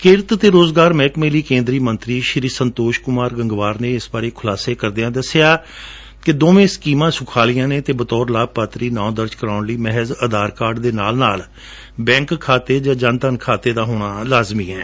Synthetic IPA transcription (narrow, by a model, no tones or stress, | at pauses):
kɪɾt̪t̪eːɾoːzɡaːɾmɛːkmẽːliːkẽːnd̪ɾiːmənt̪ɾiːʃəɾiːsənt̪oːʃkʊmaːɾɡəŋɡʋaːɾnẽːɪsbaːɾeːkʰʊlaːseːkəɾd̪ejãːd̪əsːɪjaː | kɪd̪oːmẽːskiːmãːsʊkʰaːlɪjãːnẽːt̪eːbət̪ɔːɾlaːb̚paːt̪ɾiːnãːd̪əɾd͡ʒkəɾaːʊnliːmɛɦəzəd̪aːɾkaːɾɖd̪eːnaːlnaːl | bɛ̃ːŋkkʰːaːt̪eːd͡ʒãːd͡ʒant̪ənkʰaːt̪eːd̪aːɦoːɽ̃aːlaːzmiːɦɛː